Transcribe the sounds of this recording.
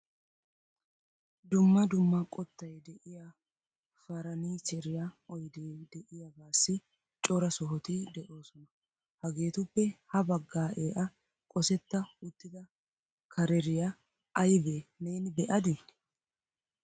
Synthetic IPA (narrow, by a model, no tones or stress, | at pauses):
d̪ʊmːɐd̪ʊmːɐkʼɔt̪ːɐjɛd̪ɛʔɪja | fɐɾɐniːt͡ʃɛɾɪjɐɔjd̪eːd̪ɛʔɪjɐbaːsːɪ | t͡ʃʼɔɾɐsɔɦɔt̪ɪd̪ɛʔo̞ːsɔnɐ | hɐɡe̞ːt̪ʊpːɛhɐbɐɡːaːʔeːʔɐ | kʼɔsɛt̪ːɐʊt̪ːɪd̪ɐ | kʰɐɾɛɾɪjɐ | ɐjbeːneːnɪbɛʔɐd̪ɪ